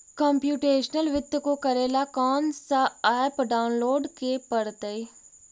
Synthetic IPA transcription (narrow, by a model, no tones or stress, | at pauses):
kɔ̃ːmpjuːʈeːʃnəlʋɪt̪ːkokəɾeːlaːkɔːnsaaːpɖaːʊnloːɖkepəɽt̪əiː